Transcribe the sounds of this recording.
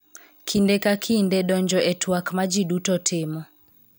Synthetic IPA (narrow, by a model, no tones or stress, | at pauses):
kʰindɛkakʰindɛɗɔɲd͡ʒɔʔɛtwakmad͡ʒiɗutɔtʰɪmɔ